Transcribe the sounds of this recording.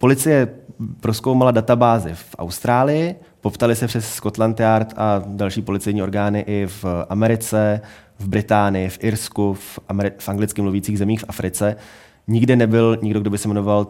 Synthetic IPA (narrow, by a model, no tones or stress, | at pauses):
po̞lɪt͡sɪjɛpɾo̞skowmaladat̪abaːzɪfʔa̰wst̪ɾaːlɪjɪ | po̞pt̪alɪsɛpr̥ɛsːko̞t̪lant̪ɪaɾt̪ʔadalʃiːpo̞lɪt͡sɛjɲiːo̞ɾɡaːnɪʔɪfʔamɛɾɪt͡sɛ | vbɾɪt̪aːnɪjɪfʔɪɾskufɪfʔaŋɡlɪt͡skɪmluviːt͡siːɣzɛmiːxfafɾɪt͡sɛ | ɲɪɡdɛnɛbɪlɲɪɡdo̞ɡ̚do̞bɪsɛmɛno̞val